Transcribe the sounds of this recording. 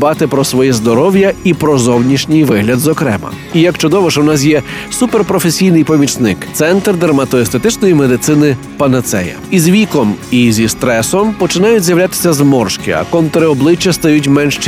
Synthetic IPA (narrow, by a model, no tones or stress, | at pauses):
bɑt̪ɪpɾɔsʋɔjizd̪ɔɾɔwjɐipɾɔzɔwnʲiʃnʲɪjʋɪɦlʲɐd̪zɔkɾɛ̰mɐ̰ | ijɐkt͡ʃɔd̪ɔʋɔʃɛwnɑs̬jɛsuperpɾɔfesʲijnɪjpɔmʲit͡ʃnɪkt̪sɛnt̪rd̪ɐrmɐt̪ɔest̪et̪ɪt͡ʃnɔjimed̪ɪt̪sɪnɪ | pɐnɐt̪sɛ̰jɐ̰izʋʲikɔmizʲist̪ɾɛsɔmpɔt͡ʃɪnɑjʊtʲzʲjɐʋwlʲat̪ɪ̥sʲɐzmɔrʃkɪɐ̰kɔnt̪ɔɾɪɔblˠɪt͡ʃːɐst̪ɐjutʲmɛnʃt͡ʃ